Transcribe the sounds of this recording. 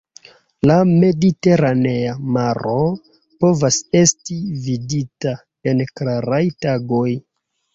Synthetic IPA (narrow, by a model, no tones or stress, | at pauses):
lame̞dite̞ɾane̞amaɾo̞ | po̞vase̞stividita | e̞nklaɾajtaɡo̞j